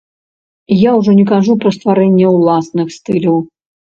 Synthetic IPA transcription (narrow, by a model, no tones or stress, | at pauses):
jaʊʐɛnʲɪkaʐupɾəst̪vaɾɛnʲɪjəʊlˠasnɨxst̪ɨlʲiw